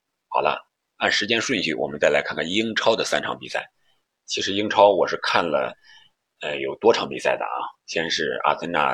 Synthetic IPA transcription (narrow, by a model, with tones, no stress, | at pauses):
xɑ˨˩ʊlə̰˦ | a˥˩nʂɻ̩˧˥t͡ɕjɛ˥nʂwə˥˧nɕy̰˥˩wɔ̰˨˩mə˦nt͡sa˥˩ɪla˧˥ɪkʰa˥˧nŋkʰa˥˩ni˥ŋʈ͡ʂʰɑ˥ʊd̪ə˨sa˥nʈ͡ʂʰɑ˧˥ŋpḭ˨˩sa̰˥˩ɪ | t͡ɕʰi˧˥ʂɻ̩˧˥i˥ŋʈ͡ʂʰɑ˥ʊwɔ˨˩ʂɻ̩˥˧kʰa˥˩nlə̰˩ | ə˧jo˨˩ʊt̪wɔ˥ʈ͡ʂʰɑ˧˥ŋpi˨˩sa˥˩ɪd̪ə̰˩ɐ̰˧˩ɕɛ˥ʂɻ̩˥˩a̰˥˩t̪ʰə˥nna̰˥˩